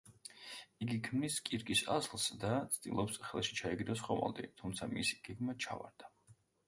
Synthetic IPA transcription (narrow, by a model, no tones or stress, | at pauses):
iɡikʰmniskʼiɾkʼisa̰zlˠsd̪at̪sʰd̪̥ḭlˠɔpsχɛlˠʃi̥t͡ʃʰaɛɡɾɔsχɔma̰lˠd̪ḭt̪ʰumt̪sʰamisi̥ɡ̥ɛɡmat͡ʃʰa̰va̰ɾd̪̥a